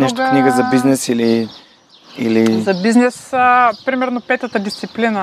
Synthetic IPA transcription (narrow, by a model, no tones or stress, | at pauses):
nɛʃt̪kniɡəzɐbiznɛsili | ilizɐbiznɛspɾimɛɾnopɛt̪ət̪əd̪ist̪siplinə